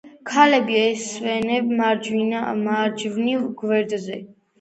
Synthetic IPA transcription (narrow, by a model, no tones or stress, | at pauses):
kʰalɛbiɛsvɛnɛbmaɾd͡ʒvinamaɾd͡ʒvnivɡvɛɾd̪zɛ